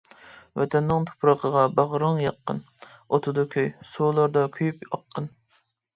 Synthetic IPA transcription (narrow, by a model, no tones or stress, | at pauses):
wɛ̰t̪ʰɛnːɪŋt̪ʰo̥pʰɾɑqʰəʁɑbɑʁɾəŋjɑqːə̰n | ot̪ʰʊd̪ɑkʲʰøjsoːlˠɑɾd̪ɑkʲʰyjypɑqʰːən